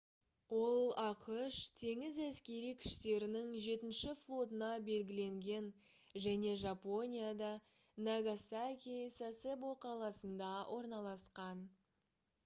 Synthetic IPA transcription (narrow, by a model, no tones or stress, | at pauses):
wo̞lˠɑqəʃt̪ʰe̞ŋɪzæskʲe̞ɾijkʲʰʏ̥ʃt̪e̞ɾɪnɪŋʒe̞t̪ɪnʃɪflˠo̞t̪ənɑbe̞lɡʲɪle̞ŋɡʲe̞n | ʒæne̞ʒapo̞nʲijad̪ɑ | naɡasakʲisaseboqʰɑlˠɑsənd̪ɑwʔo̞ɾnɑlˠɑsqɑn